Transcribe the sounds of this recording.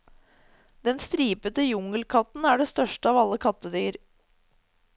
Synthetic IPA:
d̪ɛnst̪ɾiːpət̪əjʊŋəlkʰɑt̪n̩æːɖɛst̪œʂʈəɑːʋɑlːəkʰɑt̪ːəd̪yːɾ

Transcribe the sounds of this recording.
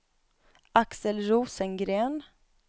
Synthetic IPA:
ʔaksəlɾuːsənɡɾeːn

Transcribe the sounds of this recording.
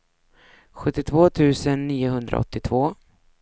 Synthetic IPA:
ɧɵt̪ːɪt̪ʰvoːt̪ʰʉ̟ːsənːiːʊɦɵnd̪ɾa̰ɔ̰t̪ːɪt̪ʰvoː

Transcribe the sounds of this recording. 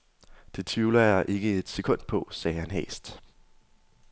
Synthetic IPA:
d̥e̝t͡sʰiːlɐjɑ̈ʔe̝ɡ̥əe̝d̥se̝kʰɔ̽n̰d̥̚pʰɒ̽sɛːhænɦɛ̰ːsd̥

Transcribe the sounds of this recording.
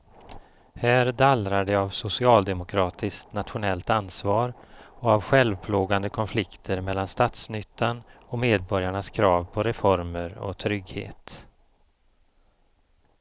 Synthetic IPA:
hæːɾd̪alɾaɖɛavsʊsɪɑːld̪ɛmʊkʰɾɑːt̪ʰɪskt̪nat̪ɧʊnɛlt̪ansvɑːɾɔavɧɛlvpʰloːɡand̪əkʰɔnflɪkt̪ʰəɾmɛlːanst̪ɑːt̪snʏt̪ʰːanɔmeːd̪̚bɔɾjaɳaskʰɾɑːvpʰɔɾɛfɔɾməɾɔ̰t̪ʰɾʏɡhḛːt̪

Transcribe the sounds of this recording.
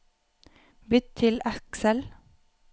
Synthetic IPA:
bʏt̪t̪ʰɪlæksəl

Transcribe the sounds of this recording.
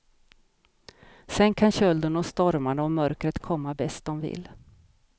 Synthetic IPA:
sɛnkʰanɕœld̪ənɔst̪ɔɾmaɳɔmœɾkɾət̪kʰɔmːabɛst̪̚d̪ɔmvɪ̰l

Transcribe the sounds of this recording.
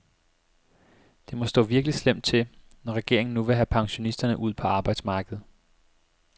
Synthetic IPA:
d̥e̝mɒ̽sd̥ɔ̰̽ːʋiɐɡ̥lislem̰d̥̚t͡sʰe̝l | nɒʁɛɡ̥e̝ɐ̰e̝ŋn̩ːuʋe̝ɦæpʰɑ̈ŋɕo̝nisd̥ɐnəʔuð̞̰ˠpʰɒ̽ɑ̈ːb̥ɑ̈ɪd̥smɑ̈ːɡ̥əð̞̩ˠ

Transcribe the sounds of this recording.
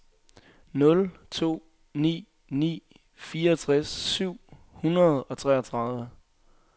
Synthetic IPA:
nɔ̽lt͡sʰo̝̰ː | nḭː | nḭː | fiːɐɒt͡sʰʁasːyʊ̰ | hunɐð̩ˠɒ̽t͡sʰʁɛ̰ːɐt͡sʰʁɑ̈ðˠʋə

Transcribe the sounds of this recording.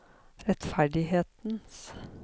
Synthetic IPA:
ɾɛt̪fæɖɪheːt̪ns

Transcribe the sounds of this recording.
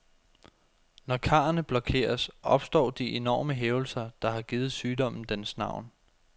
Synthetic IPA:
nɒkʰɑ̈ɐnəb̥lɒ̽kʰe̝̰ːɐsʔɒ̽b̥sd̥ɒ̰ːd̥iʔe̝nɒ̰ːməɦeːʊl̩sɐd̥ɑ̈ɦɑ̈ɡ̥iːð̩ˠsyːd̥ɒ̽m̰n̩d̥ensnɑ̈ʊ̰n

